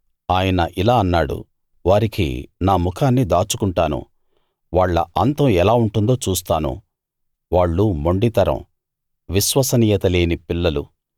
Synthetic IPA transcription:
aːjɐnɐʔilaːɐnːaːɽṵ | ʋaːɾikḭnaːmukʰaːnːid̪aːt͡ʃukuɳʈaːnṵ | ʋaːɭːɐ̰ʔɐnt̪ɐɛlaːuɳʈund̪oːt͡ʃuːst̪aːnṵ | ʋaːɭːumoɳɖit̪ɐɾɐ̰m | ʋiʃʋɐsɐniːjɐt̪ɐle̞ːnipilːɐlu

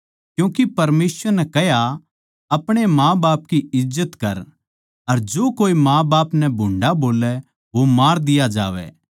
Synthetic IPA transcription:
kjũːkipɐɾmeːsʋəɾnɛkɛɦja | ɐpɽ̃emãːbaːp̚kiɪzːət̪kɐɾ | ɐɾd͡ʒoːkoːimãːbaːpnɛbʱʊ̃ːɳɖaboːlɛ | ʋomaːɾd̪ɪjad͡ʒa̰ːʋɛ̰ː

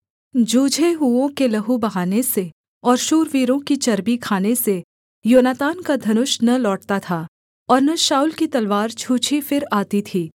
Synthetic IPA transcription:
d͡ʒuːd͡ʒʱeɦuõkelɐɦubɐɦaːnese | ɔːɾʃuːɾʋiːɾõkit͡ʃɐɾbikʰaːnese | joːnaːt̪aːnkad̪ʱɐnʊʃnɐlɔːʈt̪at̪ʰaː | ɔːɾnɐʃaːuːlkit̪ɐlʋaːɾt͡ʃʰuːt͡ʃʰifɪɾaːt̪it̪ʰiː

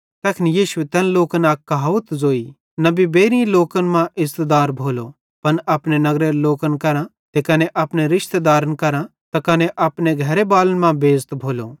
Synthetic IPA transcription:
t̪ɛːkʰɪnijiːʃʊet̪ɛːnloːkənaːkːɐɦaːʋət̪zoːi | nɐbibeːɾĩloːkənmãʔɪzt̪ed̪aːɾbʱoːlo | pɐnɐpnenɐɡɾeɾloːkənkɐɾã | t̪ekɐneʔɐpneɾɪʃt̪ed̪aːɾənkɐɾãt̪ɐkɐneʔɐpneɡʱɐɾebaːlənmãbeːd͡zt̪bʱoːlo

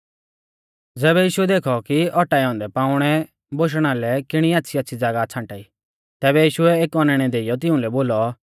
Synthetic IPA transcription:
d͡zɛːβɛjiːʃʊɛd̪eːkʰɔkiɔʈaːiɦɔ̃ːnd̪ɛpãːʊɽ̃ɛ | boʃ̬ɽ̃alɛkɪɽ̃iatːʃʰiɐtːʃʰid͡zaɡat͡sʰãːɳʈaːi | t̪ɛːbɛjiːʃʊɛeːkɔnɛɽ̃ɛd̪eːɪjɔt̪̬ɪũlɛboːlɔ

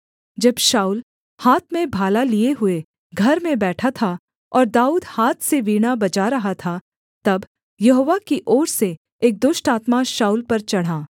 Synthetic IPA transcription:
d͡ʒɐbʃaːuːl | haːt̪ʰmẽbʱaːlalieɦʊe | ɡʱɐɾmẽbɛːʈʰat̪ʰa | ɔːɾd̪aːuːd̪haːt̪ʰseʋiːɽ̃abɐt͡ʃaɾɐɦat̪ʰa | t̪ɐb | jɐɦoːʋakiʔɔːɽse | eːk̚d̪ʊʃʈaːt̪maʃaːuːlpɐɾt͡ʃɐɽ̤ɦaː

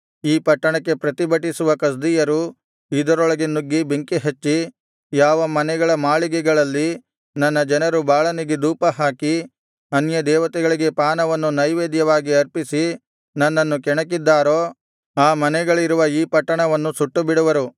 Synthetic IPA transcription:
iːpɐʈːɐɳɐkːe̞pɾɐt̪ibɐʈːisuʋɐkɐs̬d̪ijɐɾu | id̪ɐɾɔɭɐɡenːuɡːibeŋkiɦet͡ʃːi | jaːʋɐmɐnɛɡɐɭɐmaːɭiɡɛɡɐɭɐlːi | nɐnːɐd͡ʒɐnɐɾubaːɭɐniɡed̪uːpɐɦaːki | ɐnjɐd̪ɛːʋɐt̪ɛɡɐɭiɡe̞paːnɐʋɐnːunɐjʋeːd̪jɐʋaːɡiɐɾpisi | nɐnːɐnːukɛɳɐk̬id̪ːaːɾoː | aːmɐnɛɡɐɭiɾuʋɐiːpɐʈːɐɳɐʋɐnːusuʈːubiɽuʋɐɾu

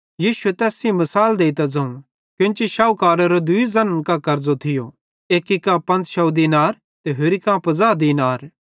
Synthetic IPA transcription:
jiːʃuet̪ɛːsĩmɐsaːld̪eːit̪ad͡zɐ̃ũ | kjʊ̃nt͡ʃiʃaːukaːɾaɾod̪ʊizɐnnkakɐɾd͡zot̪ʰɪjo | eːkikːãpɐ̃nt͡sʃɐwd̪inaːɾ | t̪eɦʊɾikãpɐzaːd̪inaːɾ

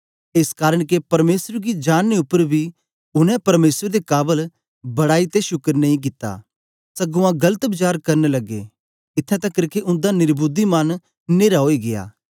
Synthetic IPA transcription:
eːskaːɾəɽ̃kepɐɾmeːsəɾɡid͡ʒaːnːeʊpːəɾbʱi | ʊnɛ̃pɐɾmeːsəɾd̪ekaːbəl | bɐɽaːit̪eʃʊkəɾnɐ̃ĩk̬ɪt̪ːa̰ː | sɐɡʊãɡɐlət̪bɪt͡ʃaːɾkɐɾnelɐɡḛ | ɪt̪ʰːãt̪ɐkːɐɾkeʔʊ̃nd̪anɪɾbud̪imɐn | neːɾaɦoːiɡeja̰ː

